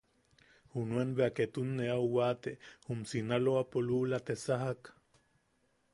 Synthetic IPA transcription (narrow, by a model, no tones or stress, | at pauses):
hunuenβeaket̪unːeauwaːt̪ehumsinaloapolulat̪esaɦak